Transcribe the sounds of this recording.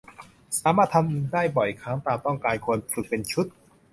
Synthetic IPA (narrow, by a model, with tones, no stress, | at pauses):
saː˨˦maː˥˩t̪ʰa˧mʔdaː˥˩jbɔ˨˩jkʰaː˦˥ŋt̪aː˧mt̪ɔ˥˩ŋkaː˧nkʰu˧ənfɯ˨˩k̚pe˧nt͡ɕʰu˦˥t̪̚